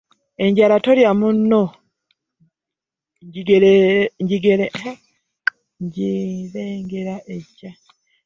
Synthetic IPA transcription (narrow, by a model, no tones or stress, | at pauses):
e̞ɲɟaɾatoljamunːo | ɲɟiɡeɲɟiɡeɾe | ɲɟiɾeːŋɡeɾaʔeɟːa